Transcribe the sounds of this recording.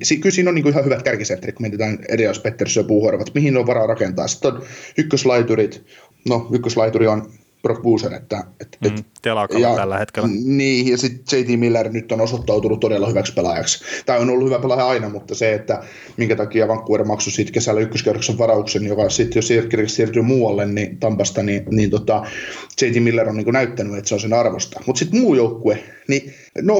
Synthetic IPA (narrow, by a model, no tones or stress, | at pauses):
siːkylsiːnoniːŋkoihɑhyʋæt̪kærkisent̪ːrit̪̚kument̪it̪æːnḛrilɑispet̪ːersøpuːhorʋɑt̪mihineoʋʋɑɾɑrɑkent̪ɑ̰ːsi̥t̪ːonykːøslɑit̪urit̪ | noykːøslɑit̪urion | prokbuːsenḛt̪ːæet̪et̪t̪elkjɑːhet̪keniːjɑsit̪t͡ʃeit̪imilːernyt̪ːonosot̪ːɑut̪unut̪t̪odelːɑhyʋækspelɑ̰jɑ̰kst̪ɑionolːuhyʋæpelɑjɑɑinɑmut̪ːɑseet̪ːæ | miŋkæt̪ɑkiɑʋɑŋkːuermɑksusiːt̪kesælːæykːøskerokseʋʋɑrɑuksenjokɑsit̪jossirkirkessiːrt̪yːmuːɑlːennit̪ɑmpɑst̪ɑniniːnt̪ot̪ɑt͡ʃeit̪imilːeronniːŋkunæyt̪ːænyet̪seonsenɑrʋost̪ɑ̥mut̪sit̪muːjoukːue | ni | no